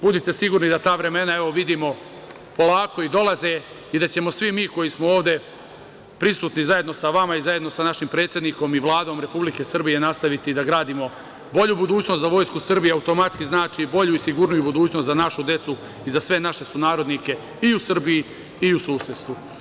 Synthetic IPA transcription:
bud̪it̪e̞siɡuːɾnid̪at̪aːʋɾe̞me̞nae̞ʋoʋid̪iːmo̞ | po̞lˠaːko̞id̪o̞lˠaze̞ | id̪at͡ɕe̞mo̞sʋimiːko̞jismooːʋd̪e̞ | pɾisuːt̪nizaje̞d̪no̞saʋamaizaje̞d̪no̞sanaʃimpɾe̞ːt̪sje̞d̪niko̞miʋlˠaːd̪o̞ːmɾe̞publike̞sr̩bije̞nast̪aʋit̪id̪aɡɾaːd̪imo̞ | bo̞ʎubud̪uːt͡ɕno̞st̪zaʋo̞ːjskusr̩bijeaut̪o̞mat̪skiznaːt͡ʃibo̞ʎuisiɡuɾnujubud̪uːt͡ɕno̞st̪zanaʃud̪je̞t̪su | izasʋe̞naʃe̞sunaːɾo̞d̪nike̞ | iusr̩biji | iusuːset̪st̪ʋu

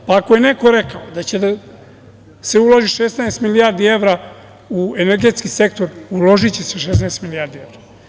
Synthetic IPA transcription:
paːko̞je̞neko̞ɾekaod̪at͡ɕe̞d̪a | seulˠoʒiʃesnaest̪milijaɾd̪ie̞ʋɾa | ueneɾɡe̞t̪skise̞k̚t̪o̞ɾulo̞ʒit͡ɕeseʃesnaest̪milijaɾd̪ievɾa

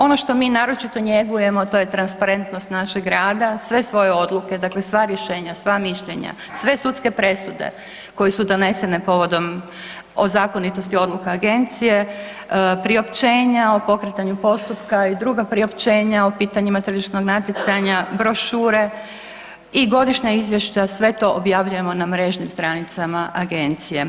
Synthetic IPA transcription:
o̞no̞ʃt̪o̞miːnaːɾo̞t͡ʃit̪o̞ɲe̞ɡujemo̞t̪o̞jet̪ɾanspaɾe̞nt̪nost̪naʃeɡɾaːd̪asʋe̞sʋo̞je̞o̞d̪lˠuke̞d̪akle̞sʋaɾje̞ʃe̞ːɲasʋamiʃʎe̞ɲa̰ | sʋe̞sut̪ske̞pɾe̞sud̪e̞̰ | ko̞jesud̪o̞ne̞sene̞po̞ʋo̞d̪o̞m | ozaːko̞nit̪o̞st̪io̞d̪lˠukaːɡe̞nt̪sije̞ | pɾio̞pt͡ɕe̞ːɲao̞po̞kɾet̪aɲupo̞st̪upkaid̪ɾuɡapɾio̞pt͡ɕe̞ːɲaopiːt̪aɲimat̪ɾ̩ʒiʃt̪no̞ɡnat̪jit̪saɲabɾo̞ʃuːɾe̞ | iɡo̞d̪iʃɲaizʋje̞ʃt͡ɕasʋe̞t̪o̞ʔobjaʋʎuje̞mo̞namɾe̞ʒɲimst̪ɾanit̪samaʔaɡe̞nt̪sije̞

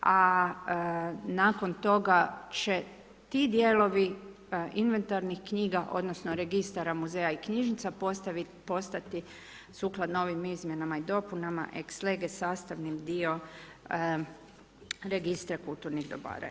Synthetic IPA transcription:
a | naːko̞nt̪o̞ɡat͡ɕe | t̪id̪jeːlo̞ʋi | inʋe̞nt̪aɾnixkɲiːɡaʔo̞̰d̪no̞sno̞ɾe̞ɡist̪aɾamuzejaikɲiʒnit̪sapost̪aʋ | po̞st̪at̪i | suːklˠad̪noʋimizmʲje̞namaid̪o̞punama̰ʔeksleɡesaːst̪aʋnimd̪io̞ | ɾeɡist̪ɾekulˠt̪uɾniɣd̪o̰ba̰ːɾa̰

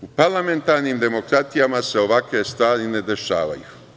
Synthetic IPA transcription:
upaɾlˠame̞nt̪aɾniːmd̪e̞mo̞kɾat̪ijamase̞o̞ʋakʋe̞st̪ʋaːɾine̞d̪e̞ʃaːʋa̰ju

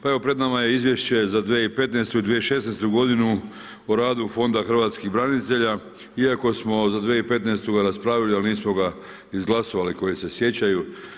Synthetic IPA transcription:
pae̞ʋo̞pɾe̞d̪namajeizʋje̞ʃt͡ɕe̞zad̪ʋeipe̞t̪nest̪uid̪ʋieiʃe̞sneːst̪uɡo̞d̪inu | oɾaːd̪ufo̞nd̪axr̩ʋaːt̪skixbɾanit̪e̞ʎa | iako̞smo̞zad̪ʋeipe̞t̪nest̪uɡaɾaspɾaːʋilialniːsmoɡa | izɡlˠaso̞ʋaliko̞jese̞sje̞t͡ɕaju

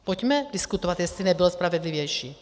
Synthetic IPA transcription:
pocmɛdɪskut̪ovat̪jɛst̪linɛbilospɾavɛdlivjɛjʃiː

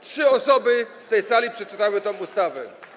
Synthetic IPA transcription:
tʂɘɔsɔbɘst̪ɛjsalʲipʂɛt͡ʂɘt̪awɘt̪ɔ̃m̃ust̪avɛ̰

